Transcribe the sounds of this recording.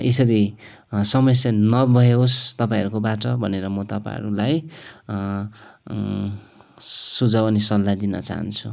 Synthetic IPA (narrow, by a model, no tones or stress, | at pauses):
esʌɾi | sʌmʌsjanʌbʱʌɦeost̪ʌpãĩʌɾukobaʈʌbʱʌneɾʌmot̪ʌpa̰ɾulaj | sud͡zʱʌbʌnisʌlːad̪inʌ̰t͡sa̰ɦʌ̰nt͡sʰu